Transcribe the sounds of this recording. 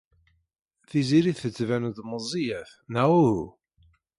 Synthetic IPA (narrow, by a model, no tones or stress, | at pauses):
θiziɾiθθət͡sːvænuðməzˤijæθ | næwuhu